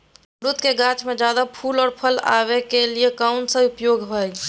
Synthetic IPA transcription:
ɾʊt̪ʰkeɡaːt͡ʃmẽd͡ʒjaːd̪apʰuːlɔːɾpʰəla̰ːʋekeliekaʊnsẽʊpjoːɡɦoɛ

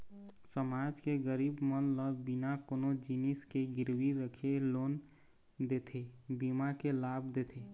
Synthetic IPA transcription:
səmad͡ʒkeɡəɾibmənləːinakonod͡ʒiniskeɡɪɾwiɾəkʰelon | d̪et̪ʰebimakelabd̪et̪ʰe

